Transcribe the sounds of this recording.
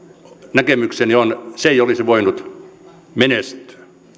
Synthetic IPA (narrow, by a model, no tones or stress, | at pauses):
nækemyksenionseijolisiʋoinut̪ | menest̪ø̥ː